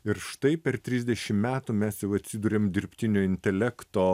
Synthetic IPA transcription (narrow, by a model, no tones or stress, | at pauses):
ɪɾʃt̪ɐɪpʲɛɾt̪ʲɾʲizʲd̪ʲɛʃʲɪmmʲæːt̪uːmʲæsjɛʊɐt̪ʲsʲɪd̪uːɾʲeːmd̪ʲɪɾʲpʲt̪ʲɪnʲoːɪnʲt̪ʲɛlʲækt̪oː